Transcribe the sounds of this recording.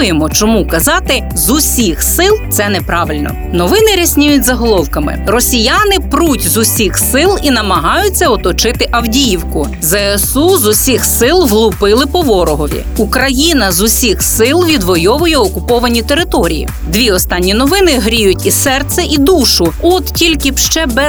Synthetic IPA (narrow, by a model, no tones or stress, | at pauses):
jemɔt͡ʃɔmukɐzɑt̪ɪ | zʊsʲixsɪlˠt̪sɛnɛpɾɑʋɪlʲnɔ̰ | nɔʋɪnɪɾʲɐsʲnʲijʊtʲzɐɦɔlˠɔwkɐmɪ̰rɔsʲijɑnɪpɾutʲzʊsʲixsɪlˠinɐmɐɦɑjʊt͡sʲːɐɔt̪ɔt͡ʃɪt̪ɪʔɐwdʲijiwkʊ | zɛesuzʊsʲixsɪlˠɦlˠʊpɪlˠɪpɔʋɔɾɔɦɔʋʲḭukɾɐjinɐzʊsʲixsɪlˠʋʲid̪ʋɔjɔʋʊjɛɔkʊpɔʋɐnʲit̪eɾɪt̪ɔɾʲḭjḭ | d̪ʋʲiɔst̪ɑnʲːinɔʋɪnɪɦɾʲijʊtʲisɛrt̪sɛʔid̪uʃʊɔt̪tʲilʲkɪbʃt͡ʃɛbɛ